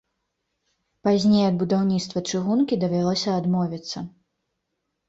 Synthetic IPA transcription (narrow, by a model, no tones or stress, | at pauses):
pazʲnʲejɐd̪̚bud̪awnʲit̪st̪vɐt͡ʂɨɣunkʲid̪ɐvʲalˠɔsʲɐːd̪mɔvʲit̪sːɐ